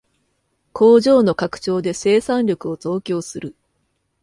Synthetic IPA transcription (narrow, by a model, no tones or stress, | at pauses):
kʰo̞ːʑo̞ːno̞kakɯ̟̥t͡ɕo̞ːd̪e̞se̞ːsãnʲɾʲo̞kɯ̟o̞zo̞ːkʲo̞ːsɨɾɯ̟